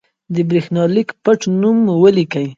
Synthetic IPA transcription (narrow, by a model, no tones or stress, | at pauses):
d̪əbɾixnɑlikpəʈnumwəlikaj